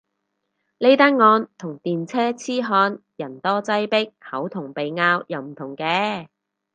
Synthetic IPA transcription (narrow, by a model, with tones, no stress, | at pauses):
le˥jt̪aː˥nŋɔː˧nt̪ʰʊ˨˩ŋt̪iː˨nt͡sʰɛː˥t͡sʰiː˥ɦɔː˧njɐ˨˩nt̪ɔː˥t͡sɐ˥jpɪ˥k̚hɐ˨˥wt̪ʰʊ˨˩ŋpe˨jŋaː˧wjɐ˨˧wm̩˨˩t̪ʰʊ˨˩ŋkɛː˧